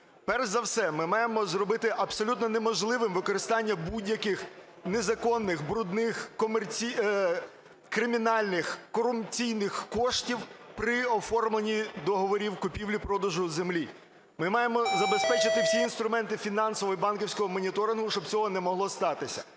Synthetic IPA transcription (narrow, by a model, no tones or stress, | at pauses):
pɛrzɐwsɛmɪmɑjemɔzrɔbɪt̪ɪʔɐbsɔlʲut̪nɔnemɔʒlˠɪʋɪmʋɪkɔɾɪst̪ɑnʲːɐbudʲjɐkɪx | nezɐkɔnːɪxbɾʊd̪nɪxkɔmert͡sʲi | kɾɪmʲinɑlʲnɪxkɔrʊmpt͡sʲijnɪxkɔʃtʲiwpɾɪɔfɔrmlˠenʲid̪ɔɦɔʋɔɾʲiwkʊpʲiwlʲipɾɔd̪ɐʒʊzemlʲi | mɪmɑjemɔzɐbespɛt͡ʃɪt̪ɪwsʲiːnst̪ɾʊmɛnt̪ɪfʲinɑnsɔʋɔibɑnkiwsʲkɔɦɔmɔnʲit̪ɔɾɪnɦʊʃt͡ʃɔb̚t͡sʲɔɦɔnɛmɔɦlˠɔst̪ɑt̪ɪsʲɐ